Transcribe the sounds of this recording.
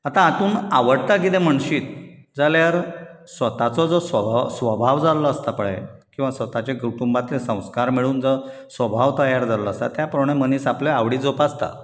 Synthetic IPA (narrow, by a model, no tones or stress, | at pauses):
at̪ãːt̪uːnaʋəɽt̪ak̬it̪em̤əɳɕiːt̪ | d͡zaljaɾsʋət̪at͡sɔd͡zɔsʋəbʱasʋəbʱaʋd͡zalɔəst̪apəɭɛ̰kĩw̃ʋasʋət̪at͡ɕeɡɾuʈumbat̪ːesə̃w̃skaɾmiɭuːnd͡zɔ | sʋəbʱaʋt̪əjaɾd͡zalɔəst̪a̰t̪japɾoɳeməniːsapleaʋɽiːd͡zopast̪a̰